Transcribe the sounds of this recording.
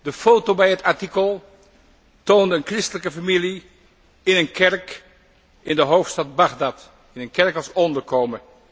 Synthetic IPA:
dəfowtobɛjɦətaɹtikəlˠ | towndəənkrɪstələkəfamili | ɪnənkɛɹk | ɪndəɦowftstɑd̚bɑχdɑt | ɪnənkɛɹkɑlˠsɔndəɹkowmə

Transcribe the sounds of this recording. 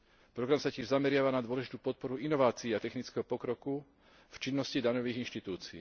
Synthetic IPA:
pɾɔɡɾamsacɪɛʒzamɛɾɪaʋanad̪ʊɔlɛʒit̪uːpɔt̪̚pɔɾuinɔʋaːt͡siːat̪ɛxnit͡skɛɦɔpɔkɾɔku | ft͡ʃinːɔscid̪aɲɔʋiːɣinʃt̪it̪uːt͡siiː

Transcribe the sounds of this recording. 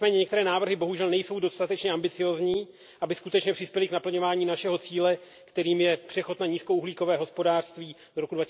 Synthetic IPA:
mɛːɲɛɲɛkt̪ɛɾɛːnaːvr̩ɦɪbo̞ɦuʒɛlnɛjso̞wdost̪at̪ɛt͡ʃɲɛʔambɪt͡sɪjo̞ːzɲiː | ʔabɪskut̪ɛt͡ʃɲɛpr̥ɪspjɛlɪknapl̩ɲo̞vaːɲiːnaʃɛɦo̞t͡siːlɛ | kt̪ɛɾiːmjɛpr̝̥ɛxo̞t̪naɲiːskouɦliːko̞vɛːɦo̞spo̞daːr̥st̪viː | doɾo̞kudva

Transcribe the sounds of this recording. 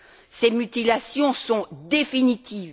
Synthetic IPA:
semyt̪ilasjɔ̃sɔ̃d̪efinit̪iːv

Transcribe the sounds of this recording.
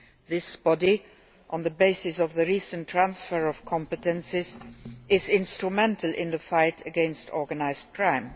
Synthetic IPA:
ðɪsb̥ɔdi | ʔɔ̃nðəbeɪsɪsɔvðəɹisə̃ntʰɹãnsfəɹɔfkʰɔ̃mpətə̃nsɪzʔɪzɪ̃nstɹumɛ̃ntʰəlʔɪ̰̃nðəfaɪtʰəɡɛ̃nstʰɔɹɡənaɪzt̚kʰɹãɪ̃m

